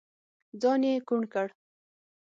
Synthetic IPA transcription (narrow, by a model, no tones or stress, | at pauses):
d͡zɑnekuɳkəɽ